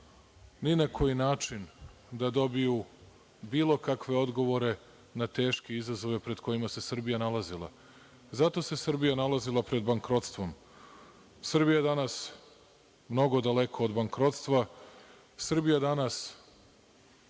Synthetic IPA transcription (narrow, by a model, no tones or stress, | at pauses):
ninakʰo̞jinaːt͡ʃin | d̪ad̪o̞biju | biːlˠo̞kakʋe̞o̞d̪ɡo̞ʋo̞ɾe̞ | nat̪e̞ːʃkeizazo̞ʋe̞pɾe̞d̪̥ko̞imase̞srbijanalazilˠa̰ | zat̪o̞se̞sr̩bijanalazilˠapɾe̞d̪baŋkɾo̞t̪st̪ʋo̞m | sr̩bijaed̪anas | mno̞ɡo̞d̪ale̞kʰo̞ːd̪baŋkɾo̞t̪st̪ʋa | sr̩bijad̪anas